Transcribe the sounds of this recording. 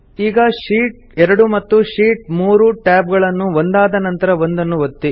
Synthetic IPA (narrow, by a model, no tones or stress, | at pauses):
iːɡɐʂiːʈ | ɛɾɐɽumɐt̪ːuʂiːʈ̚muːɾuʈaːb̚ɡɐɭɐnːuʋond̪aːd̪ɐnɐnt̪ɐɾɐʋond̪ɐnːuʋot̪ːi